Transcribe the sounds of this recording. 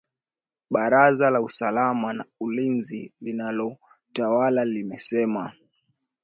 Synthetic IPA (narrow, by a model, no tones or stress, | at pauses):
ɓaɾazalausalamanaulinzilinalɔ | tawalalimɛsɛma